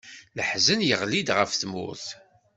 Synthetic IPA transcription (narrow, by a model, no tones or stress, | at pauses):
ləħzənjəʁlid̪ʁəfθmʊ̰ɾθ